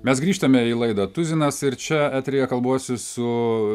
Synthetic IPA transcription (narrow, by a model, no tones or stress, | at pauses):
mʲɛsɡɾʲiːʃt̪ɐmʲɛilˠɐɪd̪ɐːt̪ʊzʲɪnɐsɪɾt͡ʃʲɛæːt̪ʲɾʲɛjɛkɐlˠboɔsʲʊsʊ